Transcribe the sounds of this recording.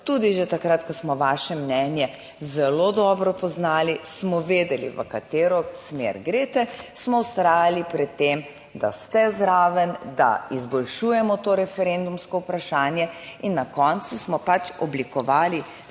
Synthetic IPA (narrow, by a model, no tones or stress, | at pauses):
t̪ud̪iʒɛt̪akɾat̪kasmɔʋaːʃɛmnɛnjɛ | zɛlod̪ɔbɾɔpɔznaːlismɔʋeːd̪ɛlḭʋə̰kat̪eːɾɔsmḛɾɡɾeːt̪ɛsmɔwst̪ɾaːjalipɾɛt̪ːem | d̪a̰st̪ɛzɾaːʋənd̪a̰izbɔlʃujɛmɔt̪oɾɛfɛɾend̪umskɔupɾaʃaːnjɛinːakɔnt̪susmɔpat͡ʃɔblikɔʋaːli